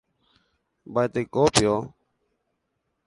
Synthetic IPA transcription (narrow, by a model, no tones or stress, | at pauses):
bajt̪eːkoːpɪjoː